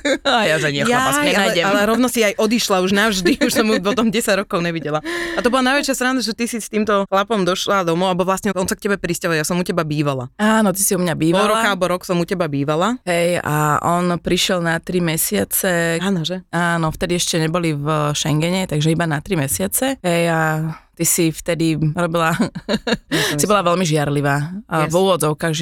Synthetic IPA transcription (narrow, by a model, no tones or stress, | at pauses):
ajaʒɛɲɪɛxjasjɛnajɟɛmalɛɾɔʊnɔsiajʔɔd̪iʃlauʒnavʒd̪iuʃsɔmupɔt̪ɔmɟɛsaɟɾɔkɔʊɲɛʋiɟɛlaat̪ɔbɔlanajʋɛt͡ʃɪast̪ɾaːnd̪aʒɛt̪isist̪iːmt̪ɔxlapɔmd̪ɔʃlad̪ɔmɔʊabɔʋlasɲɛɔnsak̚cɛbɛpɾiscaɦɔljasɔmucɛbabiːʋala̰aːnɔt̪̬isiumɲabiːʋaɔɾɔakalɛbɔɾɔksɔmucɛbabiːʋalaɦɛja̰ʔɔnpɾiʃɪɛlnat̪ɾimɛsɪat͡sɛaːnɔʒɛaːnɔft̪ɛd̪iɛʃcɛɲɛbɔlivʃɛŋɡɛɲɛt̪aɡʒɛibanat̪ɾimɛsɪat͡sɛɦɛjat̪isift̪ɛd̪iɾɔbila | sibɔlaʋɛlmiʒɪaɾliʋaːvuːʋɔd͡zɔʊkaːɣʒ